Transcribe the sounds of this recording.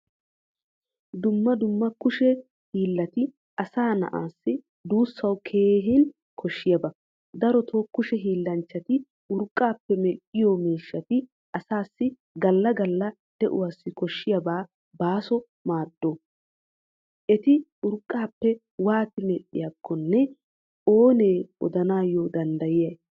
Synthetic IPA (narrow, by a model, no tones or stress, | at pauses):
d̪ʊmːɐd̪ʊmːɐkʊʃɛ | hiːlːɐt̪ɪ | ʔɐsaːnɐ̰ʔaːsːɪ | d̪uːsːɐwkʰe̞ːɦɪn | kʰɔʃːɪjɐbɐ | d̪ɐɾɔt̪ʰoːkːʊʃɛɦiːlːɐnt͡ʃːɐt̪ɪ | ʊɾkʼːaːpːɛmɛlʔɪjɔmiːʃːɐt̪ɪ | ʔɐsaːsːɪ | ɡɐlːɐɡɐlːɐ | d̪̥ɛʔʊ̰waːsːɪkɔʃːɪjɐbaː | baːsɔ | maːd̪̥ːoː | ʔɛt̪ɪʊɾkʼːaːpːɛ | waːt̪ɪmɛlʔːɪ̰jakʰːɔnːɛ | oːneːʔɔ̰d̪ɐnaːjɔːd̪ɐnd̪ɐjɪjɐj